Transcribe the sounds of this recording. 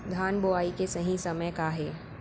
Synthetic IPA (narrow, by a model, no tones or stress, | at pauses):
d̪ʱaːnboaːikesɐɦĩsɐməjkaɦɛː